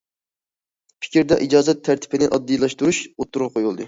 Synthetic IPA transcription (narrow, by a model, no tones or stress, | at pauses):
pʰɪ̥kʲɾd̪ɛʔid͡ʒɑːzɛt̪ʰːæɾt̪ʰɪ̥pʰɪnɪʔɑd̪ːijlˠɑʃt̪uɾuʃot̪ːuɾʁɑqʰojulˠd̪ɨ